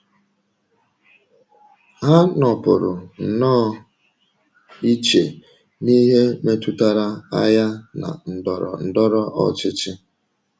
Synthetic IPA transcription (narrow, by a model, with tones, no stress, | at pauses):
ɦa˦nɔ˨pʊ˨ɾʊ˨n̩˨nɔː˦˨ | i˦t͡ʃe˨ | ni˦ɦe˦me˦tu˦ta˦ɾa˦a˦ja˦na̰˨n̩˨dɔ˨ɾɔ̰˨n̩˨dɔ˦ɾɔ˦ʔɔ̰˨t͡ʃɪ˦t͡ʃɪ˦